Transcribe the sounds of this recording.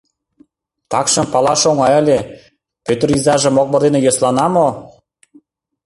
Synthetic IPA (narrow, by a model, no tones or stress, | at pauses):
t̪ɑkʃɤ̆mpɑlˠɑʃoŋɑjə̆lʲe | pøt̪ə̆rizɑʒɤ̆mok̚bɤ̆rd̪enĕjoslɑnɑmo